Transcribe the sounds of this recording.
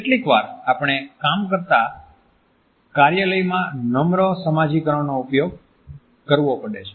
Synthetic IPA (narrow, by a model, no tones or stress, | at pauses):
eʈlikʋa̰ɾapɳ̃ekamkəɾt̪a | kaɾjələjmãnəmɾosəmad͡ʒikəɾəʋnoupjoɡ | kəɾʋopəɽet͡ʃʰe̥